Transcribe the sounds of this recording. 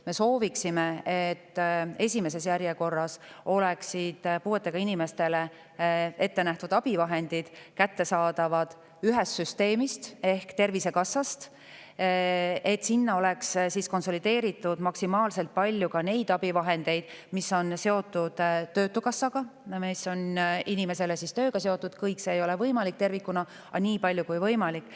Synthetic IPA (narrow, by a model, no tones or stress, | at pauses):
me̞so̞ːviksime̞et̪ːe̞sʲime̞s̬e̞sjæɾjeko̞rːɑso̞leksid̪̥puːet̪ːˑe̞ɡ̥ɑinime̞st̪e̞le̞ | e̞t̪ːe̞næht̪ud̪ɑb̥ivɑɦe̞nd̪̥id̪̥kæt̪ːe̞sɑːd̪̥ɑvɑd̪̥ | yɦest̪syst̪e̞ːmist̪e̞hkt̪e̞rvise̞kɑsːɑst̪ | e̞t̪sinːɑo̞le̞kssisko̞nso̞lid̪̥e̞ːɾit̪ːˑud̪̥mɑksimɑːlse̞lt̪̚pɑlʲjukɑne̞jd̪̥ɑb̥ivɑɦe̞nd̪̥e̞jd̪̥misːo̞nse̞o̞t̪ːˑud̪̥t̪ːø̞ːt̪ːˑukɑsːɑɡ̥ɑmisːo̞ninime̞se̞le̞sist̪ø̞ːɡɑse̞o̞t̪ːˑud̪̥kɤjkseːjo̞le̞vɤjmɑlik̚t̪e̞rvikːunɑ | ɑniːpɑlʲjukujvɤjmɑlikːˑ